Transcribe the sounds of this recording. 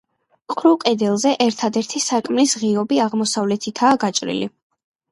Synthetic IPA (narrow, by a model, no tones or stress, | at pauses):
qʼɾukʼɛd̪ɛlˠzɛʔɛɾt̪ʰad̪ɛɾt̪ʰisakʼmlisʁiɔbiaʁmɔsavlɛt̪ʰit̪ʰaːɡat͡ʃʼɾḭlḭ